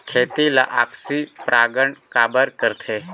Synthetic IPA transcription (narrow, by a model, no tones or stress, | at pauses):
kʰeːt̪ilaʔa̰ːpsipɾʔaːɡəɳkaːbəɾkəɾt̪ʰeː